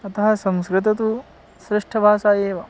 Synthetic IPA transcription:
ɐt̪ɐɦɐsɐmskɾɪt̪ɐt̪u | sɾɪʂʈʰɐbʱaːsaːjeːʋɐ

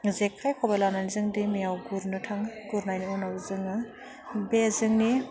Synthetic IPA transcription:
zekʰːajkʰɔbelananzɯŋdimijawɡuɾnɯtʰaŋɡuɾnajniɔnawzɯŋa | bezɯŋni

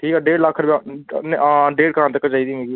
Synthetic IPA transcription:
ʈʰiːkaːɖeːɖləkʰːɾb | ɖeːɖ̚kəɾãːnt̪əkːəd͡ʒaːiːd̪ĩːeːɡi

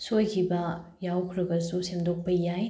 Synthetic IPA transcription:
sojkʰibɐjawkʰɾɐɡɐsusemdok̚pɐjaj

